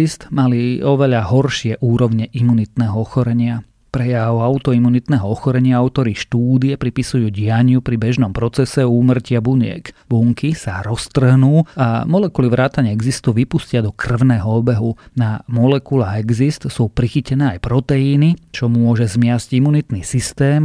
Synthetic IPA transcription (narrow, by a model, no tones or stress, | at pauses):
ist̪maliɔʋɛʎaɦɔrʃɪɛʔuːɾɔʊɲɛʔimunit̪nɛːɦɔɔxɔɾɛɲɪa | pɾɛjaʊaʊt̪ɔimunit̪nɛːɦɔɔxɔɾɛɲɪaaʊt̪ɔɾiʃt̪uːd̪iɛpɾipisujuːɟɪaɲɪupɾibɛʒnɔmpɾɔt͡sɛsɛuːmr̩cɪabuɲɪɛ̰kbuŋkisaɾɔst̪r̩ɦnuːamɔlɛkuliʋɾaːt̪aɲɪɛɛɡzist̪uʋipuscɪad̪ɔkr̩ʊnɛːɦɔɔbɛɦunamɔlɛkulaɛɡzist̪suːpɾixicɛnɛːajpɾɔt̪ɛiːnit͡ʃɔmʊɔʒɛzmɪazcimunit̪niːsist̪ɛːm